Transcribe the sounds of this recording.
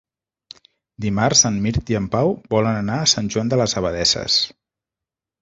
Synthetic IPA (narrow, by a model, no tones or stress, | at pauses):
d̪imarzənmiɾt̪iəmpawbɔlənənaːsanʲʒuand̪ələzəβəðɛsə̰s